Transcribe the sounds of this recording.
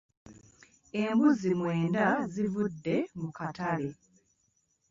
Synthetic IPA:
embuzimwe̞ːndazivudːe̞mukatale̞

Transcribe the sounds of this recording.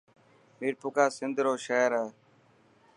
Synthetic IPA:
miːɾpʊkaːsɪnd̪ɾoːʃɛːɾaː

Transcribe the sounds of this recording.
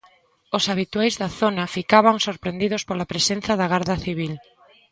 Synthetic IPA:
ʊsaβ̞it̪wajzðɐθonɐfikaβaŋsoɾpɾend̪iðʊspolɐpɾesen̟θɐðɐɣaɾðɐθiβil

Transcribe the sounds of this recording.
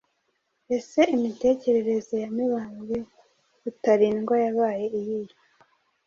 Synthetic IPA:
e̞se̞imite̞ːce̞ɾe̞ɾe̞zojamiβaːnɡi | utaɾiːnɡwajaβaːje̞ijija

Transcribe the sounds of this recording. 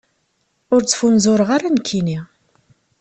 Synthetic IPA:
ʊɾt͡sːfunzʊɾəʁaɾankʰːini

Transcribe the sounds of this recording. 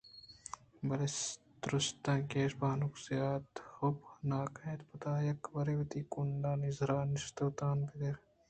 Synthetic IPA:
bɐles | d̪ɾust̪ãːkeːʃbaːnuksijaːt̪xubnaːkɐ̃t̪pɐt̪aːjɐkʋɐɾeʋɐt̪iːkunɖaːnizɾaːnist̪oːt̪aːnpid̪eɾ

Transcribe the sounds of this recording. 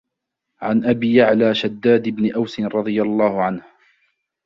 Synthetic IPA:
ʕanʔabiːjaʕlaːʃad̪ːaːd̪ɪbnɪʔawsɪnɾˤɑd̪ˤɨjalˤːɑːhʊʕanh

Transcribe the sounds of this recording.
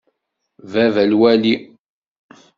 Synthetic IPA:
vævælwæli

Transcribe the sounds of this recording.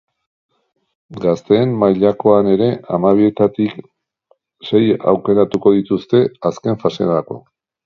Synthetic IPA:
ɡast̪e̞ːmmajʎako̞ane̞ɾe̞amaβ̞ie̞t̪at̪ik | se̞ja̰wke̞ɾat̪uko̞ð̞it̪ust̪e̞aske̞ɱfase̞ako̞̰

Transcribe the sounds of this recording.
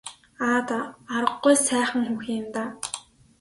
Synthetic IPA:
aːt̪aaɾə̆ɢːujsæːχə̆ŋxuːxɪmt̪aː

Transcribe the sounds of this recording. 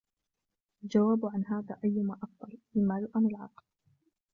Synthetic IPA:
ald͡ʒawaːbʕanɦaːðaːʔajːʊmaʔɑkd̪ɑlˤʔɪmːaːlʊʔanɪlʕɑ̰ql

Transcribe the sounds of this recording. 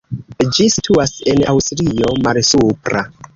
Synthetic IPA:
d͡ʒisitʰuasena̰wstɾio̞malsupɾa̰

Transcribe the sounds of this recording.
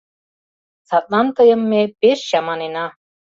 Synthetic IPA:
θat̪̚ʼnant̪ajʏmːɪpɪɾ̥ɕamanɪna

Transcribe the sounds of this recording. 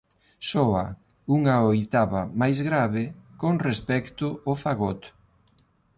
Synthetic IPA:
sɔa | uŋaojt̪aβamajzɣɾaβɪkoŋrespɛkt̪ʊofaɣɔt̪

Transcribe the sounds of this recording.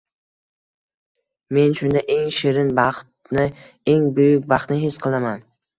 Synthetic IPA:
me̞nʃʊnd̪aʔeŋʃeɾɪnbɑχt̪nɪ | eŋbʊjʊk̚ʲbɑχt̪nɪɦɪsqʰɨlˠaman

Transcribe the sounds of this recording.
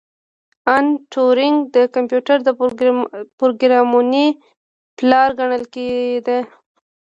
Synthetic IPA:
anʈʰoɾɪŋɡd̪əkampjuʈaɾd̪ə | pɾoɡɾɑmuni | plɑɾɡaɳəlkeɡd̪e

